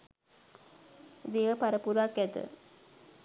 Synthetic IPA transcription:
ʋejəpaɾəpuɾakːɛt̪ə̰

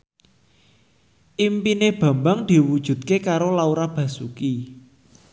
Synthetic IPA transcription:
ʔimpineb̥ä̤mbaŋd̪̥i̤wud̥ʒ̥ṳt̪̚kekaɾolauɾab̥a̤suki

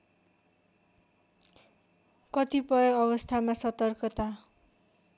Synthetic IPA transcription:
kʌt̪ipʌjʌʌbʌst̪ʰamasʌt̪ʌrkʌt̪a

